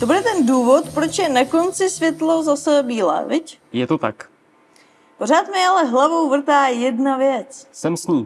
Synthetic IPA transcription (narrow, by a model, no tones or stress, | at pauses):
t̪o̞budɛt̪ɛnduːvo̞t̪pɾo̞t͡ʃjɛnako̞nt͡sɪsvjɛt̪lozasɛbiːlɛ̰ːvɪc | jɛt̪ot̪a̰k | po̞ɾ̝aːt̪mɪalɛɦlavowvr̩t̪aːjɛdnavjɛt͡ssɛmsɲiː